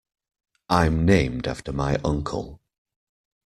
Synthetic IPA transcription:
ʔãɪ̃mnẽɪ̃mda̰ftəmaɪʔʌ̃ŋkʰə̰lˠ

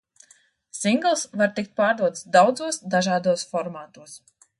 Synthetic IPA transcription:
siŋɡlˠsvaɾt̪ik̚t̪̚paːɾd̪uɔt̪sd̪awd̪zuɔsd̪aʒaːd̪uɔsfɔɾmaːt̪uɔs

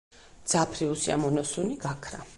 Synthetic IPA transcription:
d̪z̥apʰɾiusia̰mɔnɔsuniɡakʰɾa̰

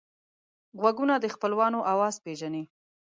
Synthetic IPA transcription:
ɣwaɡunad̪əxpəlwɑnoʔawɑzpeʒani

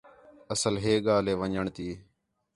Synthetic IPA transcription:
əsəlɦeːɠaːleːʋəɲəɳt̪iː

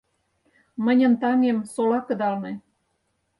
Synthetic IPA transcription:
mə̆nʲə̆nt̪ɑŋemsolɑkə̆d̪ɑlnɤ̆

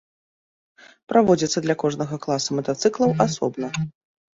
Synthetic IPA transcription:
pɾavɔd͡zʲit̪sːɐd̪lʲakɔʐnɐɣɐklˠasumɐt̪at̪sɨklˠɐwasɔbnɐ

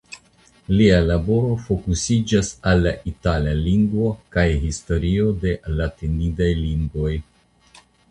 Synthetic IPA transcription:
lialabo̞ɾo̞fo̞kusid͡ʒasalːaʔitalaliŋɡvo̞kajɦisto̞ɾio̞de̞latinidajliŋɡvo̞j

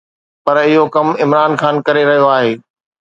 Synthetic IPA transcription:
pɐɾɪɦokɐmɪmɾaːnxaːnkɐɾeɾɐɦijoaːɦeː

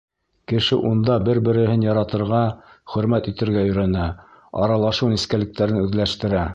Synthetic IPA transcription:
kɘ̆ʃɘ̰ʔund̪ɑbɘɾbɘ̆ɾɘ̆ɦɘnjɑɾɑt̪ɤ̆ɾʁɑ | χɵ̆ɾmæt̪it̪ɘ̆ɾɡæɵ̆jɾænæ | ɑ̰ɾɑlˠɑʃɤwniskælɘ̆k̚t̪æɾɘnʉðlæʃt̪ɘ̆ɾæ

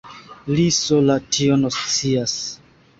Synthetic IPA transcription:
lisolatʰionost͡sias

